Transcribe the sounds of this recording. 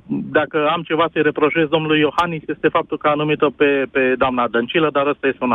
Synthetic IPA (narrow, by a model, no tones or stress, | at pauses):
d̪akəamt͡ʃe̞vasəjɾe̞pɾo̞ʒezd̪o̞mnulujːo̞hanisje̞st̪e̞fap̚t̪ulkəanumit̪ope̞ped̪oamnad̪ənt͡ʃiləd̪aɾəst̪aje̞st̪euna